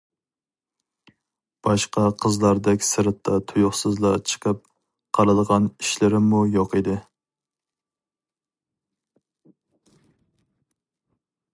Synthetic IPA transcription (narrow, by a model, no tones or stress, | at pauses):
b̥ɑʃqɑqʰəzlˠɑɾd̪ɛkʲsɪɾɪt̪ʰːɑt̪ʰujʊχsɨzlˠɑt͡ʃʰə̥qʰəp̚ | qʰɑlɨd̪əʁɑniʃlɪɾɪmujoqid̪ɪ